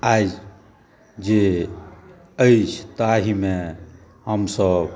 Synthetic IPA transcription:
aːd͡ʒ | d͡ʒe | əit͡ʃʰt̪aɦimẽ | ɦəmsəb

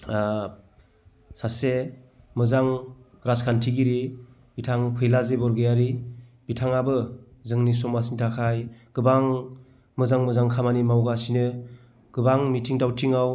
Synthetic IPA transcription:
a | sase | mɯzaŋ | ɾaskʰantʰiɡiɾi | b̥itʰaŋpʰɯjlazebɔɾɡɯjaɾibitʰaŋabɯzɯŋnis̬ɔmasintʰakʰajɡ̥ɯbaŋ | mɯzaŋmɯzaŋkʰamanimawɡasinɯ | ɡ̥ɯbaŋmitʰiŋdawtʰiŋaw

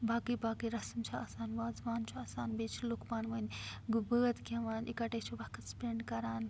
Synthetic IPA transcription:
baːkibaːkiɾɐsmt͡ʃʰuaːsaːnʋaːzʋaːnt͡ʃʰuaːsaːnbeːt͡ʃʰlukpaːnʋɐnɡubəːɐt̪ɡɐʋaːnʔḭkɐʈeːt͡ʃʰubɐkʰɐt̪speɳɖkɐɾaːn

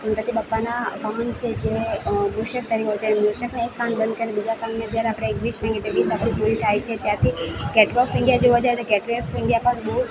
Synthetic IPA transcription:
ənpət̪ibəpːanaʋamənt͡ʃʰed͡ʒemuʃək̚t̪əɾiʋod͡ʒajemuɾʃəkneekːãnɖ̪̚bənd̪̚kəɾiebid͡ʒakãnɡnad͡ʒjaɾeapɽ̃eːkʋismɛ̃ŋɡet̪eʋisapəɽipuɾit̪ʰajt͡ʃʰet̪jat̪ʰikɛʈɾɔfɪ̃ɳɖijad͡ʒoʋod͡ʒajet̪okɛʈɾiefɪ̃ɳɖijapəɳbəɦu

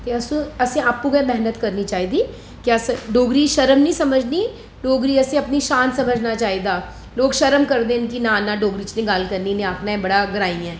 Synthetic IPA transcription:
t̪eɐsũɐsẽaːpũɡɛmɛɦnət̪kɐɾnit͡ʃaːiːd̪iː | kaːsɖoːɡɾiːʃɐɾəmnĩːsɐməd͡ʒʱni | ɖoːɡɾiːɐsẽɐpniʃãːnsɐməd͡ʒʱnat͡ʃaːid̪aː | loːɡʃəɾəmkəɾd̪ẽːɪnkinãːnãɖoːɡɾiːt͡ʃnẽɡalkəɾninẽaːpnaẽbɐɽaɡɾaːĩɛ̃ː

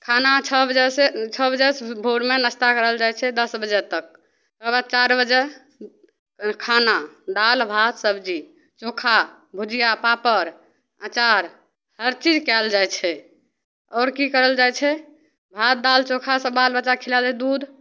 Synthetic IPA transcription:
kʰanat͡ʃʰəbəd͡ʒɛset͡ʃʰəbəd͡ʒɛsbʱoɽmenəst̪akəɾəld͡ʒajt͡ʃʰɛd̪əsbəd͡ʒɛt̪ək̚ | təbat͡ʃaɾbəd͡ʒe | kʰanad̪albʱat̪səbd͡ʒi | t͡ʃokʰa | bʱud͡ʒijapapəɾ | at͡ʃaɾ | həɾt͡ʃid͡ʒkɛld͡ʒajt͡ʃʰɛ | ɔːɾkikəɾəld͡ʒajt͡ʃʰɛ | bʱat̪̚d̪alt͡ʃokʰasəbalbət͡ʃːakʰilaled̪ud̪ʱ

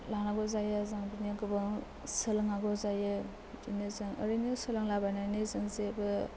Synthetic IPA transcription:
laŋnaɡozajazaŋbiniɡɯbɯŋ | sɯlɯŋaɡɔzajɯ | bitinizɯŋə̰ɾinisɯlɯŋlabananɯzɯŋzebɯ

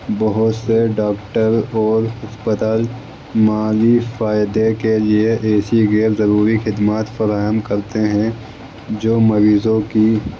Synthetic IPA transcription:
bɐɦʊt̪seɖaːkʈəɾɔːɾɦɐspət̪aːl | maːlifaːjɪd̪ekelieʔɛːsiɣeːɾzɐɾuːɾixɪd̪maːt̪fɐɾaːɦəmkɐɾt̪eɦɛ̃ | d͡ʒoːmɐɾiːzõki

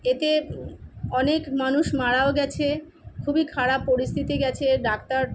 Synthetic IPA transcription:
et̪e | ɔnekmanuʃmaɽaoɡɛt͡ɕʰe | kʰubikʰaɽapːoɾist̪ʰit̪iɡɛt͡ɕʰeɖakt̪aɾ

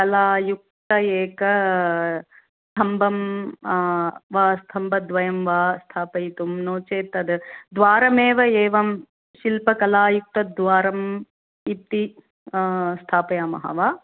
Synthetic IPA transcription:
kɐlaːjuk̚t̪ɐeːkɐ | st̪ʰɐmbɐm | ʋaːst̪ʰɐmbʱɐd̪ʋɐjɐmʋaːst̪ʰaːpɐjit̪umnoːt͡ʃeːt̪ɐd̪ɨd̪ʋaːɾɐmeːʋɐeːʋɐm | ʃilpɐkɐlaːjuk̚t̪ɐd̪ʋaːɾɐm | it̪i | st̪ʰaːpɐjaːmɐ̰ɦa̰ʋaː

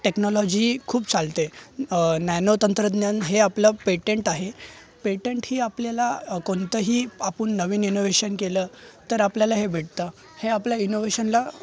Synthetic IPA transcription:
ʈeknɔlɔd͡ʑiːkʰuːp̚t͡salt̪e | nɛnot̪ənt̪ɾəd̪njanɦeaplapeʈeɳʈaɦe | peʈeɳʈɦiːapljalakoɳt̪əɦiːapuɳːəʋiːninoʋeɕənkeləːt̪əɾapljalaɦebʱeʈt̪a | heapljainoʋeɕənla

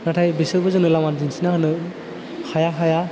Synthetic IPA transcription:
natʰajbisɯɾbɯzɯnɯlamand͡ʒinsinahɯnɯ | hʰajaxaja

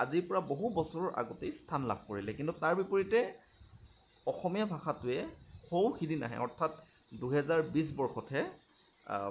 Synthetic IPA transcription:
aziɹpɔɹaboɦubɔsɔɹɔɹʔa̰ɡotejstʰanla̰b̚ʱkoɹilɛkintutaɹbipoɹitɛ | ɔxɔmijabʱaxatʊɛxowxidina̰ɦɛ̰ɔ̰ɹtʰat | duɦɛzaɹbis̬bɔɹxɔtʰɛ

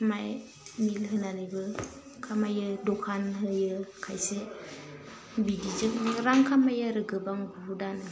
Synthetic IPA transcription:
maj | milɦɯnalɯbɯ | kʰamajɯdɔkʰanɦɯjɯkʰajse | bidid͡ʒɯk̚nɾaŋkʰamajaɾɯɡɯbaŋbuɦudanɯ

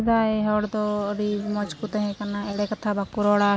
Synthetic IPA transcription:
d̪aːeɦɔːɽd̪ɔɾimɔt͡ʃkut̪ɛɦɛ̃kanaɛɽɛkət̪ʰabakuɾɔːɽa

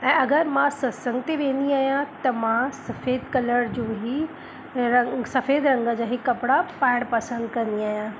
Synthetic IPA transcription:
ɛ̃ːɐɡəɾmãsɐsɐ̃ŋɡt̪eʋẽːnd̪iaːɦjãt̪ɐmãsɐfeːd̪kɐləɽd͡ʑõːɦi | sɐfeːd̪ɾɐ̃ŋɡəd͡ʑaːɦikɐpɪɽapaːɪɽ̃pɐsə̃nd̪kɐ̃nd̪iaːɦjãː

